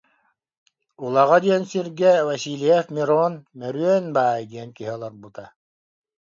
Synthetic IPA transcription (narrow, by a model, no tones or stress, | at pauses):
ulˠaʁad̪iɛnsiɾɡɛvasilʲiɛfmʲiɾɔːnmɛɾyɛnbaːjd̪ʲiɛnkiɦiɔlˠɔɾbut̪a